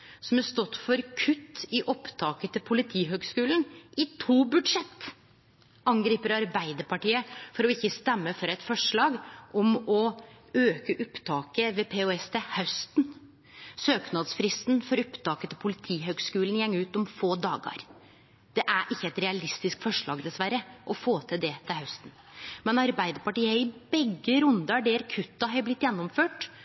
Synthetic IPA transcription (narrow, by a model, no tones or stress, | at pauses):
sɔmæʂt̪ɔt̪ːfɔɾkʰʉt̪ːɪʔɔpt̪ʰɑːkət̪ʰɪlpʰʊlɪt̪ʰiːɦøːɡskʉːlnʔɪt̪ʰuːbʉd̪ʂɛt̪ː | ɑŋɡɾiːpəɾɑɾbæɪd̪əɾpɑʈiːəfɔɾɔɪçːəst̪ɛmːəfɔɾɛɪt̪fɔʂɭɑːɡʔɔmɔ | øːkəʔʊpt̪ʰɑːkəʋɛpʰɛoːɛst̪ʰɛhast̪n | søːknɑd̪sfɾɪst̪nfɔɾʊpt̪ɑːkət̪ʰɪlpʰʊlɪt̪ʰiːɦøːɡskʉːln̩jɛŋːʉːt̪ɔmfoːd̪ɑːɡɑ̰ɾ | d̪̥ɛʔæʔɪçːəɛt̪ɾɛɑlɪst̪ɪskfɔʂɭɑːɡd̪ɛsʋæɾəʔɔfoːt̪ʰɪd̪ɛt̪ʰɪlhœst̪n̩ | mɛnɑɾbæɪd̪əɾpɑʈiːəɪbɛɡːəɾʉnd̪ɑɖɛːɾkʰʉt̪ːɑɦɑblɪt̪ːjɛnːɔmføːʈ